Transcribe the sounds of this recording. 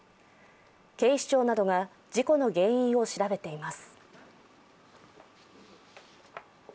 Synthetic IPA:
ke̞ːɕi̥t͡ɕo̞ːnad̪o̞ɡa | d͡ʑiko̞no̞ɡẽ̞ɰ̃ĩɰ̃o̞ɕiɾabe̞t̪e̞imasɨ̥

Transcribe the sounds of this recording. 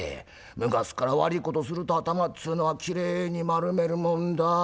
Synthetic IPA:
ḛ | mɯ̟ɡasɨ̥kaɾaβa̰ɾʲiko̞t̪o̞sɨɾɯ̟t̪o̞at̪amat͡sɨːnoβakʲiɾe̞ːɲ̟imaɾɯ̟me̞ɾɯ̟mõ̞nd̪a

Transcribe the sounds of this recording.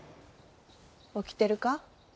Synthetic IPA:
okʲi̥t̪e̞ɾɯ̟ka

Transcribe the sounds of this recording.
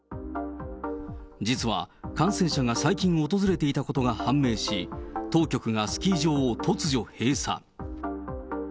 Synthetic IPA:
d͡ʑit͡sɨβa̰ | kãɰ̃sẽ̞ɕaɡasaikʲĩɰ̃oot̪o̞zɨɾe̞t̪e̞it̪ako̞t̪o̞ɡahãmːe̞ːɕit̪o̞ːkʲo̞kɯ̟ɡasɨ̥kʲiːʑo̞ːt̪ʰo̞t͡sɨʑo̞he̞ːsa̰

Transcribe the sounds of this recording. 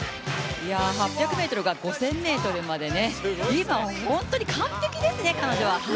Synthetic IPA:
jaɦapʲːjakɯ̟me̞ːt̪o̞ɾɯ̟ɡaɡo̞sẽ̞mːe̞ːt̪o̞ɾɯ̟mad̪e̞ne̞imahõ̞nt̪o̞ɲ̟ikʰãnt̪e̞kʲid̪e̞sɨne̞kano̞ʑo̞βah

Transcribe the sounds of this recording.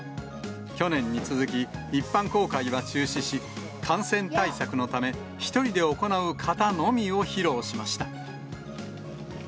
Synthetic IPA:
kʲo̞nẽ̞ɲ̟ːit͡sɨzɨkʲiipːãŋko̞ːkaiβat͡ɕɨːɕiɕi | kʰãɰ̃sẽ̞nt̪aisakɯ̟no̞t̪ame̞ | çi̥t̪o̞ɾʲid̪e̞o̞ko̞naɯ̟kʰat̪ano̞mʲio̞çiɾo̞ːɕimaɕi̥t̪a

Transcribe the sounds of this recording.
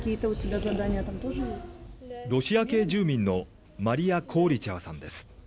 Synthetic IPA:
kʲiːt̪əʊtʲɪbʲazɐd̪anʲɪjət̪amt̪o̞ʐɨjesʲtʲɾo̞ɕijake̞ːʑɨːmʲĩnːo̞ | maɾʲiakʰo̞ːɾʲit͡ɕaβasã̰nd̪e̞sɨ̥

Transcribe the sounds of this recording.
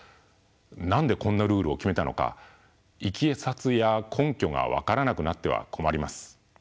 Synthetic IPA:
nãnd̪e̞kõ̞nːaɾɯ̟ːɾɯ̟o̞kʲime̞t̪ano̞̰ka̰ | ikʲiesat͡sɨjakʰõ̞ŋkʲo̞ɡa̰βa̰kaɾanakɯ̟nat̪ːe̞β̞a̰kʰo̞maɾʲimasɨ̥

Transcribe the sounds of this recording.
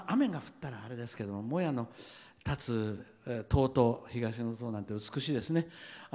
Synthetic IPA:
amẽ̞ŋɡaɸɯ̟̥t̪ːaɾaːɾe̞d̪e̞sɨ̥ke̞d̪o̞mo̞mo̞jano̞ | t̪at͡sɨ | t̪ʰo̞ːt̪o̞çiɡaɕinot̪oːnãnt̪e̞ɯ̟t͡sɨ̥kɯ̟ɕiːd̪e̞sɨne̞

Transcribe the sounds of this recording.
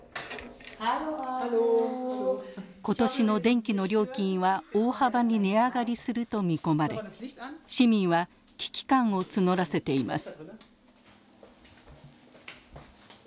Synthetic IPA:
ko̞t̪o̞ɕino̞d̪ẽ̞ŋkʲino̞ɾʲjo̞ːkʲĩɰ̃βaoːhabaɲ̟ineaɡaɾʲisɨɾɯ̟t̪o̞mʲiko̞maɾe̞ɕimʲĩɰ̃βa | kʲi̥kʲi̥kãɰ̃o̞t͡sɨno̞ɾase̞t̪e̞ima̰sɨ̥

